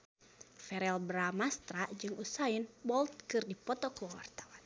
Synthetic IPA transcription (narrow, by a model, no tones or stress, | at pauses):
fɛɾɛlbɾamast̪ɾad͡ʒɨŋusainbɔlt̪̚kɨrdipɔt̪ɔkəwa̰rt̪awan